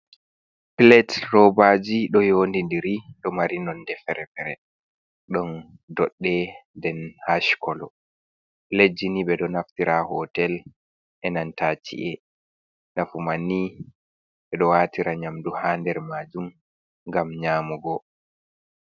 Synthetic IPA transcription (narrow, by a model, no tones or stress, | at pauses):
pilɛtrɔbad͡ʒiɗɔjoːndindiɾiɗɔmaɾinɔndɛfɛɾɛfɛɾɛ | ɗɔn | dɔɗːɛndɛnhaʃkɔlɔ̰ | pilet̚d͡ʒiniɓɛɗɔnaftiɾahɔtɛl | ʔɛnantat͡ʃḭʔɛ | nafumanːi | ɓɛɗɔwaːtiɾaɲamduhandɛɾmaːd͡ʒum | ŋɡamɲaːmuɡɔ